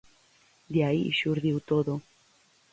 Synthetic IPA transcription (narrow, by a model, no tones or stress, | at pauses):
d̪jaiḭʃuɾðiwt̪oðo